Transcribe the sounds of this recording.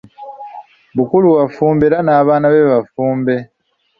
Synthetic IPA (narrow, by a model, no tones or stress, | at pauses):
βukuluɣafuːmbeɾanaːβaːnaβeβafuːmbe̞